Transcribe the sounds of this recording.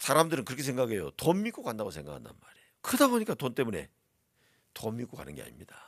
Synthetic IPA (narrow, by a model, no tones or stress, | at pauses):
sʰaɾamdɯɾɯnkɯɾʌkʰes̬ʰeŋɡaɡe̞jotommik͈okandaɡosʰe̞ŋɡakʰanda̰nmaɾejokɯdaboɲik͈atont͈e̞mune̞̰ | tomːik͈oka̰nɯ̰nɡe̞̰a̰ɲimɲid̥a